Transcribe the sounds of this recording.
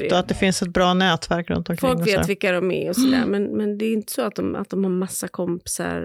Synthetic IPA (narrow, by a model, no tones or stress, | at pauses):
at̪̚d̪ɛfɪnsɛt̪̚bɾɑːnɛːt̪væɾkɾɵ̰nt̪ɔmkʰfɔlkːŋːveːt̪ːvɪkːaɾɔmɛ̰ɔsɔd̪æ̰ːɾmɛnmɛnd̪ɛːɾɪnt̪ə̥sɔat̪̚d̪ɔma̰t̪̚d̪ɔmhaɾmasːakʰɔmpɪ̥sa̰ɾ